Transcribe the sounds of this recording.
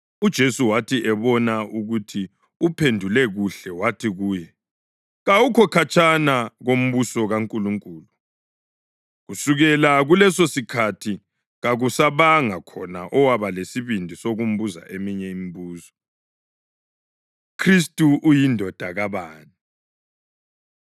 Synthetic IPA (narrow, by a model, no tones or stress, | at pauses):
ud̥ʒ̥ʱesuwatʰiʔɛβɔnaʔuɣutʰi | upʰendʱulɛɣuɬɛwatʰiɣuːjɛ | ɣawukʰɔkʰat͡ʃʰʼanaɣom̩βusɔɣaŋkʼuluŋkʼuːlu | ɣusuɣɛlaɣulɛsosikʰatʰi | ɣaɣusaβaŋakʰɔnaʔɔwaβalesiβindʱisoɣum̩βuza̰ʔemiɲɛimiβuːsɔ̥ | kʰris̬tʼuʔːjindʱɔd̥ʱaɣaβaːni